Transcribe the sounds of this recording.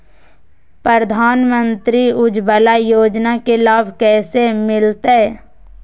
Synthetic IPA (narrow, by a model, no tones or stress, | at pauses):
pɾəɾəd̪ʱaːnmə̃nt̪ɾiʊd͡ʒbəlajoːd͡ʒnakelaːbʱkɛːsemɪlt̪eɛ